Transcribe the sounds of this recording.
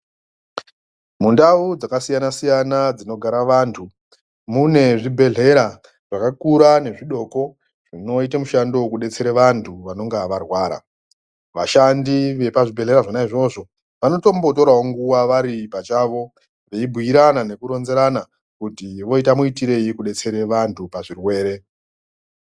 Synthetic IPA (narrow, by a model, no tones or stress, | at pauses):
mundaud͡zakasijanasijanad͡zino̞ɡʱaɾaʋantʰu | mune̞ʐibʱe̞ɮe̞ɾa | ʐ̥akakuɾane̞ʐiɗo̞ko̞ | ʐ̥ino̞itamuʃandowkuɗe̞t͡se̞ɾeʋantʰuʋano̞ŋɡaʋarwaːɾa̰ | ʋa̰ʃandiʋe̞paʐibʱe̞ɮe̞ɾaʐonaiʐo̞ʐo̞ | ʋano̞to̞mbo̞to̞ɾaoŋɡuwaʋaɾipat͡ʃaʋo̞ | ʋeibʱuiɾanane̞kuɾo̞nze̞ɾana | kutiʋo̞itamuitiɾe̞jikuɗe̞t͡se̞ɾeʋantʰupaʐirwe̞ːɾe̞